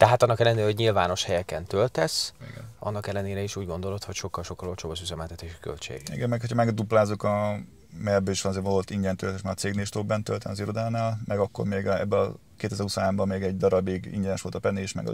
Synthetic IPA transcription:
t̪ɛɦaːt̪ɒnːɒkɛlːɛneːɾɛɦo̞ɟɲilvaːno̞ʃhɛjɛkɛnt̪ølt̪ɛsḭɡɛ̰nɒ̰nːɒkɛlːɛneːɾɛiʃuːɟɡo̞nd̪o̞lo̞t̪ho̞cʃo̞kːɒlʃo̞kːɒlo̞lt͡ʃoːbɒʃyzɛmɛlt̪ɛt̪eːʃi̥kø̰lt͡ʃḛːɡḭɡɛmmːɛkhocʰɒmɛɡd̪uplaːzukɒ | mɛbːøiʃʋɒnɒzeːvoolt̪iɲɟɛnt̪ølt̪eʃmaːɡt̪seːɡneliʃt̪obbɛnt̪ølt̪ɛnɒziɾod̪aːlnaːlmʔɛɡɒkːo̰rmeːɡɛ̰bːɛɒ | keːt̪ɛzɛɾhusoaːmbɒmːeːɡɛɟd̪ɒɾɒbiɡḭɲɟɛnɛʃʋo̞lt̪ɒpɛnːiʃmɛ̰ɡɒ̰

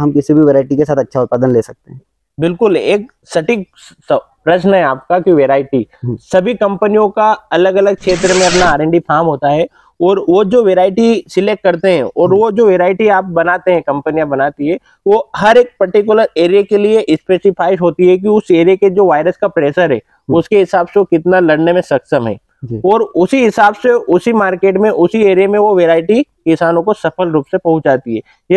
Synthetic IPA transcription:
ɦɐmkɪsibʱiʋeːɾaːɪʈikesaːt̪ɐtːʃʰaʊt̪̚paːd̪ənleːsɐk̚t̪eɦɛ̃ː | bɪlkʊleːk | sɐʈɪk | spɾɐʃnɦɛaːp̚kakiʋeːɾaːɪʈisɐbʱikɐ̃mpənijõkaɐləɡɐləɡ̚kʃeːt̪ɾəmẽɐp̬naːɾẽɳɖipʰaːmɦoːt̪aɦɛ | ɔːɾʋod͡ʒoːʋeːɾaːɪʈisɪleːk̚ːɐɾt̪eɦɛ̃ɔːɾʋod͡ʒoːʋeːɾaːɪʈiaːp̚bɐnaːt̪eɦɛ̃kɐ̃mpənijãbɐnaːt̪iɦɛ | ʋoɦɐɾeːk̚pɐɾʈɪk̬jʊləɾeːɾijakelieʔɪspeːsɪpʰaːɪʃɦoːt̪iɦɛk̬iʊseːɾijeked͡ʒoːʋaːɪɾəskapɾeːʃəɾɦɛ̰ː | ʊskeɦɪsaːbseokɪt̪nalɐɽnemẽsɐksəmɦɛ̰ː | ɔːɾʊsiɦɪsaːbseʊsimaːɾkeːʈmẽʔʊsieːɾijamẽʋoʋeːɾaːɪʈikɪsaːnõkosɐpʰəlɾuːpsepɐɦʊ̃t͡ʃd͡ʒaːt̪iɦɛ̰ː | j

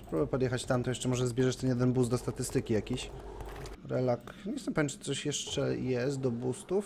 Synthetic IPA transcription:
pɾubɛpɔd̪jɛxat͡ɕt̪amt̪ɔjɛʂt͡ʂɛmɔʐɛzbʲjɛʐɛʂt̪ɛnjɛd̪ɛnbuzd̪ɔst̪at̪ɘst̪ɘkʲijakʲiɕ | ɾɛlak | ɲɛzɛmpavʲẽmt͡ʂt̪t̪sɔɕjɛʂt͡ʂɛjɛst̪̚d̪ɔbust̪uf

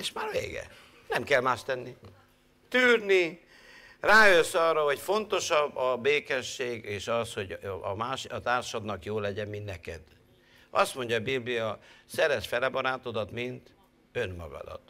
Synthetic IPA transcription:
eːʃmaːrvḛːɡɛ̰ | nɛmkɛlmaːʃt̪ɛnːi | t̪yːrni | raːjøsɒrːɒɦo̞cfo̞nt̪o̞ʃɒbːɒbeːkɛʃːeːɡeːʃɒsho̞ɟmaːʃɒt̪aːrʃɒd̪nɒkjoːlɛɟɛmmint̪nɛkɛ̰d̪̥ | ɒ̰st̪mo̞ɲɟɒːbiblijɒsɛɾɛʃfɛlɛbɒɾaːt̪o̞d̪ɒt̪mint̪ | ø̞nmɒ̰ɡɒ̰d̪ɒ̰t̪

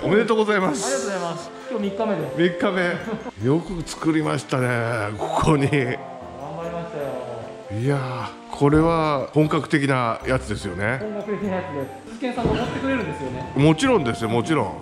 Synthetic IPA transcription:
omene̞t̪oːɡo̞zaimasɨ̥aozaimas | kʲjoːmʲikːame̞d̪esmʲikːame̞jo̞kɯ̟t͡sɨ̥kɯ̟ɾʲimaɕi̥t̪anekʰo̞̥kʰoɲi | ɡãmbaɾʲimaɕi̥t̪ajo | ia | kʰo̞ɾe̞βahõ̞ŋkakɯ̥t̪e̞kʲinajat͡sɨd̪e̞sɨjo̞ne̞õŋkakɯ̟t̪ekʲinajat͡sɨd̪es | zɨkẽ̞ɰ̃sãŋɡamot̪ːekɯ̟ɾe̞ɾɯ̃nd̪esɨjo̞nemo̞t͡ɕiɾõ̞nd̪esɨjomo̞t͡ɕiɾõ̞̰

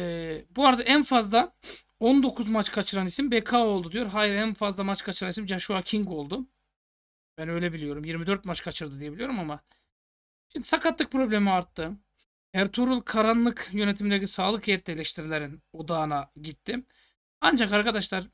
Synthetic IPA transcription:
ɛːbuaɾd̪aʔænfazlˠa | o̞nd̪o̞kʰuzmat͡ʃkʰat͡ʃʰɯɾanisimbekʰaːo̞lˠd̪ud̪ijo̞ɾɦaːjiɾænfazlˠamat͡ʃkʰat͡ʃʰɯɾanisimd͡ʒaʃuacʰiŋko̞lˠd̪ʊ | b̥ænø̞jlʲebilʲijo̞ɾumjiɾmid̪øɾt̪mat͡ʃkʰat͡ʃʰɯɾd̪ɯd̪ijeilʲijo̞ɾumama | ʃimd̪isakat̪lˠɯk̚pɾo̞blʲemiaɾt̪ʰːɯ | æɾt̪ʰuɾulˠkʰaɾanlˠɯkjø̞net̪ʰimind̪ecisaːlˠɯkhejɛt̪lʲɛlʲɛʃt̪ʰiɾilʲeɾino̞d̪aːnaɟit̪ʰːɪ | and͡ʒakaɾkʰad̪aʃlˠaɾ

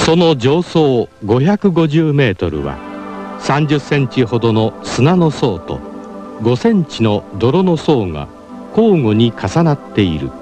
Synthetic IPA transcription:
so̞no̞d͡ʑo̞ːso̞ːɡo̞çakɯ̟ɡo̞ʑɨːme̞ːt̪o̞̰ɾɯ̟̰βa̰sãɲ̟d͡ʑɨsːẽ̞ɲ̟t͡ɕiɦo̞d̪o̞no̞sɨnano̞so̞ːt̪o̞̰ | ɡo̞sẽ̞ɲ̟t͡ɕino̞d̪o̞ɾo̞no̞so̞ːŋa̰ | ko̞ːŋo̞ɲ̟ikʰasanat̪ːe̞iɾɯ̟̰

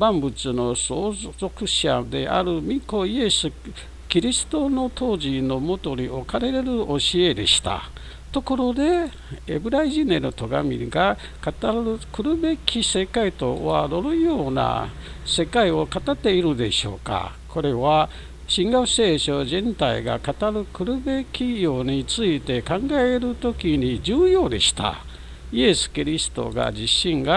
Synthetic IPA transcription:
bãmbɯ̟t͡sɨno̞sozo̞kɯ̟ɕad̪e̞ʔa̰ɾɯ̟mʲiko̞ie̞sɨ | kʲiɾʲisɨ̥t̪o̞no̞t̪ʰo̞ːʑino̞mo̞t̪o̞ɲ̟io̞kaɾe̞ɾe̞ɾɯ̟ʔo̞ɕie̞d̪e̞̰ɕi̥t̪a̰ | t̪o̞ko̞ɾo̞d̪e̞ː | bɯ̟ɾaiʑinenot̪oɡa̰mʲḭɡa | kat̪aɾɯkɯ̟ɾɯ̟be̞kʲise̞kait̪oo̰βaɾoɾɯ̟jo̞ːna̰ | se̞kaio̞kat̪at̪ːe̞iɾɯ̟d̪e̞̰ɕo̞̰ːka̰ | kʰo̞ɾe̞βa | ɕĩŋɡaose̞ːɕoʑẽnt̪aḭɡa̰kat̪aɾɯkɯ̟ɾɯ̟be̞kʲijo̞ːɲ̟it͡sɨit̪e̞kãŋɡaeɾɯ̟t̪o̞kʲiɲ̟id͡ʑɨːjo̞ːd̪ḛɕi̥t̪a̰ | ie̞sɨ̥kʲiɾʲisɨ̥t̪o̞̰ɡa̰d͡ʑiɕːĩŋɡa

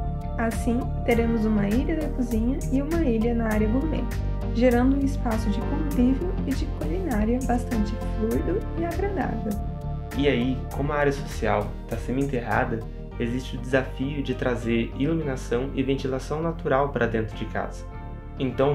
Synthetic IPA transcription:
asĩ | t̪eɾẽmʊzũmɐiʎɐd̪ɐkuzĩɲɐɪũmɐiʎɐnɐaɾjɐbumḛ | ʒeɾɐ̃nd̪ʊũɪspasʊd͡ʒɪkõp̪ɾivewɪd͡ʒɪkulinaɾjɐbast̪ɐ̃nt͡ʃɪfluid̪ʊɪaɡɾẽd̪a̰vew | iaikõmʊɐaɾjɐsosia̰w | t̪asẽd̪ʊẽt̪eɦa̰d̪ɐ | ezist͡ʃɪʊd͡ʒ̪ɪzafiʊd͡ʒɪt̪ɾazeɾiluminasɐ̃w̃ɪvẽnt͡ʃ̪ilasɐ̃w̃nat̪uɾawpaɾʔɐd̪ẽnt̪ɾʊd͡ʒɪka̰z̥ɐ̥ | ẽt̪ɐ̃w̃

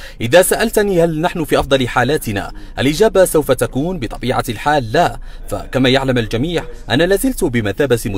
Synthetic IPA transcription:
ʔɪðaːsaʔalt̪niːhalnaħnʊfiːʔɑfd̪ˤɑlɪħaːlaːt̪ɪna̰ːʔalʔɪd͡ʒaːbasawfat̪akuːnbɨt̪ˤɑbiːʕa̰lħaːlːaːfa̰kamaːjaʕlamald͡ʒamiːʕʔanaːlaːzɪlt̪bɪmaθaːbat̪mʊ

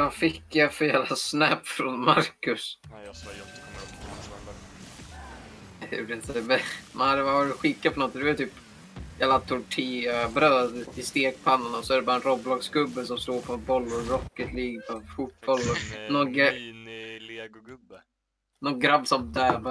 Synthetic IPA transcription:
afɪkːjafœɾjæːvlasnæpːfɾɔnmaɾkɵs | hʊ̰ɖɛɪnt̪əmɛmanhad̪əvavɑːɾɪt̪ɧɪkːapʰɔnɔt̪ːd̪ɛvajt̪ʰyːp | jæːlat̪ʰʊʈʰiːabɾøːd̪ɪst̪eːkpʰanːanaɔsɔæɖɛbɑːɾaɛnɾɔblɑɡsɡɵbːəsɔmsloːɾpʰɔbɔlːʊɾɾɔkːət̪liːɡ̪afut̪̚bɔlːɔnɔɡ | nɔɡɾabːsɔmd̪ɛːba

